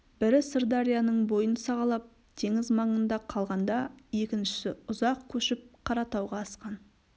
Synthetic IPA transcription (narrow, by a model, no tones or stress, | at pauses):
b̥ɪɾɪsɪɾd̪aɾijanəɴbo̞jənsɑʁɑlˠɑp̚ | t̪ʰe̞ŋɪzmɑɴənd̪ɑqʰɑlˠʁɑnd̪ɑje̞kʲɪnʃɪ̥sɪʊzɑq̚kʲʰɵʃɪp̚qʰɑɾɑt̪ɑwʁɑːsqɑn